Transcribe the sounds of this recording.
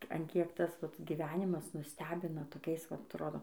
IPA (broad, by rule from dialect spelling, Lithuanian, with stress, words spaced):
ɐn ˈkʲiɛk ˈtɐs ʋɐt ɡʲiːˈʋʲæːnʲɪmɐs nʊˈsʲtʲæːbʲɪnɐ toːˈkʲɛɪs ʋɐt ɐtˈroːdoː